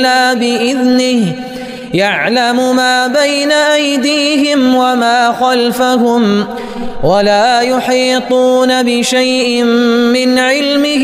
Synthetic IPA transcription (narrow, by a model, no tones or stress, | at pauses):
aːbɪʔɪðnɪh | jaʕlamʊmaːbajnaʔajd̪iːɦɪmwamaːxalfaɦʊm | walaːjʊħiːt̪ˤuːnabɪʃajʔɪmːɪnʕɪlmɪ